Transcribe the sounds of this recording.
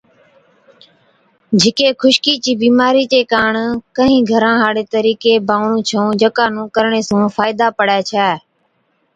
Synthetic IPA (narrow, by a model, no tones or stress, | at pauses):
d͡ʒʱɪkeːkʰʊʃkiːt͡ʃiːbiːmaːɾiːt͡ʃeːkaːɳkəɦĩːɡʱəɾãːɦaːɽeːt̪əɾiːkeːbaːɳũːt͡ʃʰõːd͡ʒəkaːnũːkəɾɳeːsũːfaːɪd̪aːpəɽaːt͡ʃʰɛː